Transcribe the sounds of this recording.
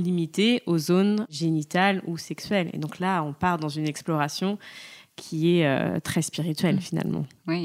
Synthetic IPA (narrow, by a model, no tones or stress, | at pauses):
limit̪eʔozonʒenit̪alusɛksɥɛlḛd̪ɔ̃klaɔ̃paʁd̪ɑ̃zynɛksplɔʁasjɔ̃kʲʰiɛø̰t̪χɛspiʁit̪ɥɛlfina̰lmɑ̰̃i